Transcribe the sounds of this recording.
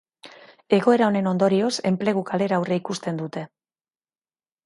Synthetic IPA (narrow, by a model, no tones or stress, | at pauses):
e̞ɣo̞e̞ɾaone̞no̞nd̪o̞ɾio̞se̞mple̞ɣ̞ukale̞ɾaːwreikust̪e̞nd̪ut̪e̞